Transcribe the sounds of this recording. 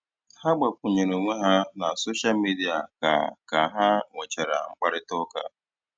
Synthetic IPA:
ha˦ɡ͡ba˨k̚ʷʊ˨ɲe˨ɾo˨ŋʷe˦ɦa˦na˨so˦ʃa˦lmi˦di˦a˨ka̰˨ka˨ɦa˦ŋʷe˨t͡ʃe˨ɾa̰˨ŋ͡m̩˦k͡pa˦ɾɪ˦tʊ˦ka̰˦

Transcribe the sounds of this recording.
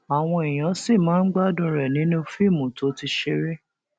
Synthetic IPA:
a˨w̃ɔ̃˧e˨j̃ã˨˦si˦˨mãː˨˦n̩˦ɡ͡ba˦˨dũ˧ɾɛ˨nĩ˨˦nũ˦fi˦˨mũ˨to˨˦ti˧ʃe˧ɾe˦

